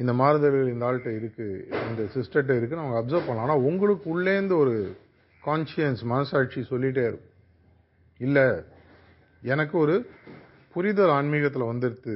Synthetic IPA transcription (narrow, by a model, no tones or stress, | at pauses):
ɪnd̪ɐmaːɾɐðɐɾɯɣɐɭɪnd̪aːɭʈːɐɪɾɯkːɯɪnd̪ɐsɪsʈɐʈːɐɪɾɯkːɯnɐʋɐŋɡɐːpsɐɾpɐɳːɭãːnːaːʊŋɡɐɭɯkːɯʊɭːeːnd̪ɯɔɾɯ | kaːnʂɪɐnsmɐnɐsaːʈ̚t͡ʃisɔlːɪʈ̬ːeːɾɯ | ɪlːɛ | ɛnɐkːɯɔɾɯ | pʊɾɪðɐlɐɳmiːɻɐt̪ːɪlɐʋɐnd̪ɯɾɯt̪ːɯ